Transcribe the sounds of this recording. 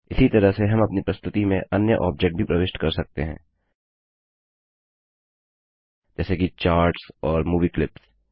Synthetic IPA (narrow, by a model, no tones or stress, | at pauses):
ɪsit̪ɐɾəɦseɦɐ̃mɐpnipɾɐst̪ʰʊt̪imẽʔɐnjəʔɔːb̚d͡ʒek̚ʈ̚bʱipɾɐʋeːʃʈkɐɾsɐk̚t̪ḛɦɛ̰̃ː | d͡ʒɛːsekit͡ʃaːɾʈsɔːɾmuːʋiklɪps